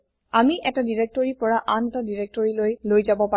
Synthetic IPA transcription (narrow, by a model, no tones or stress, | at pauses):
amiʔɛtadiɹek̚tɔɹipɔɹaʔanɛtadiɹek̚tɔɹilojlojzabɔpa